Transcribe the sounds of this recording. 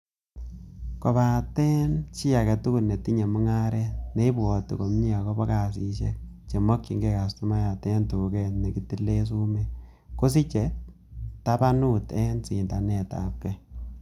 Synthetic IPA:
kɔ˨ba˨tɛ˦nt͡ʃi˦a˨kɛ˨tu˦ku˦lne˨ti˦ɲe˨mu˦ŋa˦ɾɛne˦i˦bɔ˨tṵ˨ko˨mɲi˦a˨kɔ˦bɔ˦ka˨s̬i˨ʃe˦k̚t͡ʃe˨mɔ˦kːi˨ŋɡe˦˨ka˨stu˦ma˦ja˨tɛ˦ntu˨kɛ˨tne˨ki˦ti˦lːe˦s̬u˦mɛ˦ | ko˦s̬i˦t͡ʃɛ˨ | ta˦pa˦nu˦tɛ˦nsi˨nda˨nɛ˨ta̰˨p̚kɛ˦

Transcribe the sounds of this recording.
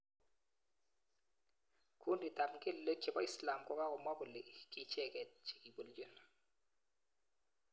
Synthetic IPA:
kʰu˦ndi˨ta˨pɡɪ˦lːə˦kːɛ˨ba˦i˦sla˨mkɔ˦ka˦kʊ˨ma˦bʊ˨lɪ˨ki˨t͡ʃɛ˦kɛ˨t̚t͡ʃi̥˨ki˨bu˨ld͡ʒu˨n

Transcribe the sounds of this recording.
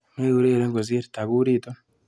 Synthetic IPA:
me˦u˦ɾeː˦˨ɾe˦ŋɡo˨zi˦e˦ɾi˨ta˨ɣu˦ɾi˦˨to˦

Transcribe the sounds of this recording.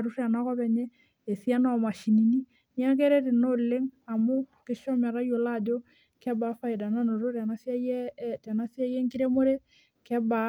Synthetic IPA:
ɾu˦ra˨na˦kɔ˦βɛ˨ɲɛ˦ | e˨si˦a˦na˦˨ma˨ʃi˨ni˨ni˦ | ni˦a˦k̬e˦ɾe˦ɾe˨no˦le˦ŋa˨mo˦ke˦ʃɔ˦mɛ˨ɾa˦jo˨la˦˨d͡ʒo˦ | kɛ˦ba˨fa˦i˨da˨na˦no˨ɾo˦ɾa˨na˦sja˦jɛ˦ta˨na˦sja˦jɛ˦ŋki˦ɾe˦mo˦ɾe˦ | kɛ˦ba˨

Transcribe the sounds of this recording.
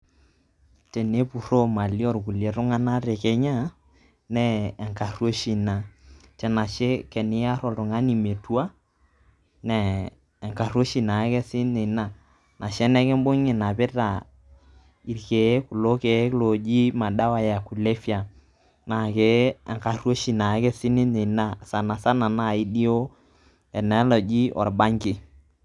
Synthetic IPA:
t͡ʃɛ˨ne˦pu˨ro˦ma˨li˦ɔ˦˨ɾku˨lje˨ɾʊ˦ŋa˦na˦ɾɛ˨kɛ˦ɲa˦ | nɛː˦˨ŋka˨rwo˦ʃi˨na˨t͡ʃɛ˨na˨ʃe˦kɛ˨nɪ˦a˦ɾɔ˨tʊ˨ŋa˦ni˨me˨tu˦a˦ | nɛː˨ | ŋka˨ro˦ʃi˨na˨˦kɛ˦sɪ˦ne˨na˨ | nʔa˨ʃɛ˦nɛ˦kɛ˦m˦bo˦ŋɪ˨na˨pɪ˦ta˨ | i˨ɾke˨˦kʊ˨lo˦ke˨˦lo˨d͡ʒi˦ma˨ɗa˦wa˨ja˨ku˨le˦fi˦a˨ | na˨ke˨ɛ̰˨ŋka˨rwo˦ʃi˨na˨˦kɛ˦sɪ˦nɪ˦ne˨na˦sa˨na˨sa˦na˨na˦˨i˦di˦o˦ | ɛ˨nɛ˦lɔ˨d͡ʒi˦ʔɔ̰˨ɾba˦ŋɡɪ˨

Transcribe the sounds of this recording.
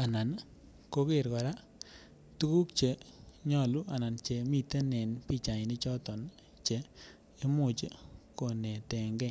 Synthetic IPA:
a˨na˨n | ko˦kɪ˦˨ɾkɔ˨ɾa˦ | tu˦ku˦kt͡ʃe˨ɲɔ˦˨lu˦ʔa˨na˨nt͡ʃe˨˦mi˦te˦nɛ˨npi˦˨t͡ʃa˨ɲ˨nɪ˦t͡ʃɔ˦tɔ˨n | t͡ʃe˨ | i˦mʊ˨t͡ʃko˨ne˨tɛ˨ŋɡɛ˦˨

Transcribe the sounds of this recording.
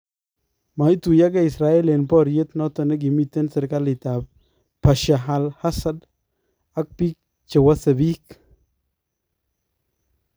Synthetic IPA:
ma˨i˦tu˨ja˦ka˦i˨sɾa˨˦e˦le˨npɔ˦˨ɾje˦t̪nɔ˦tɔ˨ne˦ɡ̬i˨mi˦˨t̪e˦nsɛ˨ɾka˦lɪ˨ta˨p̚ | pa˨ʃa˨ɦa˨lha˦sa˦d | a˦k̚pi˦k̚ | t͡ʃe˨wa˦se˨bi˦k̚

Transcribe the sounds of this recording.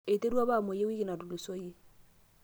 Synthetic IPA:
e˨te˦ɾwa˦βa˦˨mo˨je˦wi˦ki˨na˨du˨lu˨so˦je˦

